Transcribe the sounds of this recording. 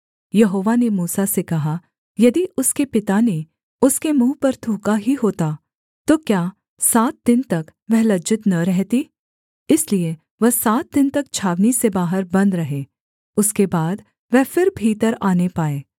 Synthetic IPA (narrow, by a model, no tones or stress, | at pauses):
jɐɦoːʋanemuːsasekɐɦa | jɐd̪iʔʊskepɪt̪ane | ʊskemũːpɐɾt̪ʰuːkaɦiɦoːt̪a | t̪oːkjaː | saːt̪̚d̪ɪnt̪ɐkʋɛɦlɐd͡ʒɪt̪nɐɾɛɦt̪i | ɪslie | ʋɐɦsaːt̪̚d̪ɪnt̪ɐkt͡ʃʰaːʋnisebaːɦəɾbɐ̃nd̪ɾɐɦeː | ʊskebaːd̪ | ʋɛɦfɪɾbʱiːt̪əɾaːnepaːeː